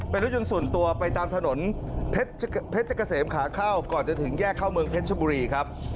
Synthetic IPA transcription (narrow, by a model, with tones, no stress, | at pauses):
pe˧nlɾ̚ju˧nsu˨˩ənt̪u˧ɐpa˧jt̪aː˧mt̪ʰa˧no˩˦npʰe˦˥t̪̚t͡ɕpʰe˦˥t̪̚t͡ɕʰa˧˩ka˧seː˩˦mkʰaː˩˦kʰaː˥˩wkɔː˨˩nt͡ɕa˧t̪ʰɯ˩˦ŋjɛː˥˩kʰːaː˥˩wmɯ˧əŋpʰe˦˥t̪̚ʰbuː˧ɾiː˧kʰɾa˦˥p̚